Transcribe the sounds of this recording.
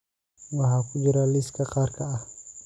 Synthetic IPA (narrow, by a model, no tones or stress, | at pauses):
waɦakud͡ʒuɾaliskakarkaʔa